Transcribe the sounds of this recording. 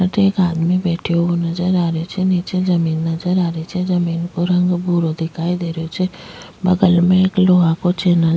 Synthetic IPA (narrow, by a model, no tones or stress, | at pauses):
əʈeːkaːd̪mibɛːʈʰijoonɐd͡ʒəɾaːɾet͡ʃʰeniːt͡ʃed͡ʒɐmiːnːɐzəɾaːɾet͡ʃʰezɐmiːnkoɾɐ̃ŋɡbuɾod̪ɪkʰaːid̪eːɾot͡ʃʰe | bəɡəlmẽeːkloːɦakot͡ʃeːnə